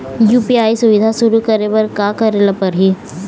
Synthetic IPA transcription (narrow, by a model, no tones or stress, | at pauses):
juːpiaːisʊʋɪd̪ʱasuɾukəɾeʋəɾkakəɾelapɐɾɦi